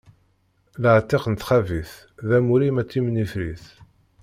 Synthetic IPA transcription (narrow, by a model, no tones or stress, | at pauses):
ləʕt̪ːiqnt̪χæviθ | ðæmuɾimæt͡sːimnifɾiθ